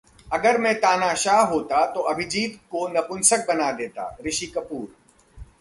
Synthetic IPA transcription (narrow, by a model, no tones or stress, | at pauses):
ɐɡəɾmẽt̪aːnaːʃaːɦɦoːt̪at̪oːʔɐbʱɪd͡ʒiːd̪konɐpʊnsək̚bɐnad̪eːt̪a̰ːɾɪʃiːkɐpuːɾ